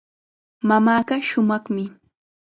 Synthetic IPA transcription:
mamaːɢaʃʊmɑχmɪ

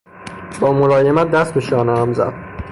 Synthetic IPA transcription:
b̥ɒːmoɾɒːjemæt̪̚d̪æst̪̚beʃɒːneæmzæ̰d̪̥

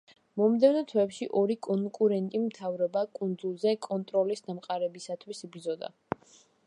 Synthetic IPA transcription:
mɔmd̪ɛvnɔt̪ʰwɛpʃiʔɔɾikʼɔŋkʼuɾɛnt̪ʼimt̪ʰavɾɔbakʼund̪zulˠzɛkʼɔnt̪ʼɾɔlisd̪amqʼaɾɛbisat̪ʰwisibɾd̪zɔd̪a̰

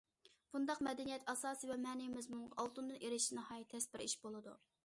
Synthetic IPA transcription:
b̥und̪ɑqmɛd̪ɛnijɛt̪ɑsɑːsɨvɛmɛːnijmɪzmuɴʁɑʔɑlˠt̪und̪ɨnʔeɾɪʃinɨhɑːjit̪ʰːɛspɪɾʔiʃbolˠɨd̪ṵ

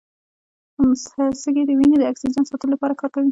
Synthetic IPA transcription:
msəsəɡed̪əwined̪əaksid͡ʒɑnsɑt̪əlolapɑɾakɑɾkawi

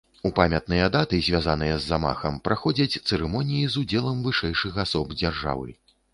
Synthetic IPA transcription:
upamʲɐt̪̚nɨjɐd̪at̪ɨzʲvʲazan̪ɨjɐzːama̰xɐmpɾaxɔd͡zʲɐt͡sʲt̪sɛɾɛmɔnʲijizud͡zʲɛlˠɐmvɨʂɛjʂɨxasɔbd͡zʲarʐa̰vɨ̰

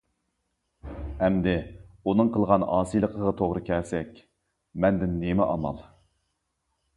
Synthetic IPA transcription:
ɛmd̪ɪunɨŋqʰəlˠʁɑnɑːsɨjlˠəqʰəʁɑt̪ʰoʁɾɨkʲʰɛsɛkʲ | mɛnd̪ɪnːemɛʔɑmɑ̰lˠ

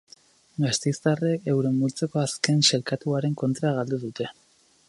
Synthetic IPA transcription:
ɡast̪ejst̪areke̞wɾe̞mbult͡se̞ko̞aske̞nse̞lkat̪uaɾe̞ŋko̞nt̪ɾaɣald̪uðut̪e̞

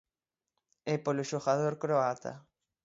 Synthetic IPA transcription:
ɛpoloʃoɣaðoɾkɾoat̪a̰

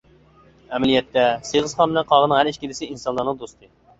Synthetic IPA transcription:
ɛmɛlijɛt̪ːɛseʁəsχɑnbɪnɛnqʰɑʁənəŋɦæɾiʃkʲid̪ɪsɪinsɑnlˠɑɾnɨŋd̪ost̪ʰɨ

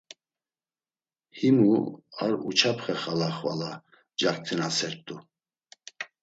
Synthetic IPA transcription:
himuaɾṵt͡ʃʰapʰχɛχalaχva̰la | d͡ʒak̚t̪ʰɛnasɛɾt̪ʼu

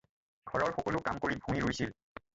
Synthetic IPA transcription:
ɡʰɔɹɔɹxɔkɔlʊkamkoɹibʱuŋiɹojsil

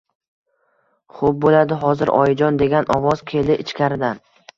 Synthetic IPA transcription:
χop̚bolad̪ɪɦɒzɪɾɒ̰jɪd͡ʒɒnd̪e̞ɡʲanɒvɒzkʲʰe̞lɪɪt͡ʃkʲʰaɾɪd̪an

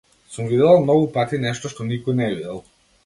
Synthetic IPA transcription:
sumvid̪ɛlˠmnɔɡupat̪inɛʃt̪ɔʃt̪ɔnikɔjnɛvid̪ɛlˠ

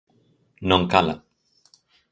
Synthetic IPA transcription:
noŋkala̰

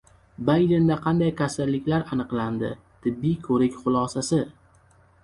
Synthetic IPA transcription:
bajd̪end̪aqʰɑnd̪ajkʲʰasalːɪkʲlaɾanɨqland̪ɪ̰ | t̪ʰɪbːijkʰɵɾɪkʲχʊlˠɒsasɪ

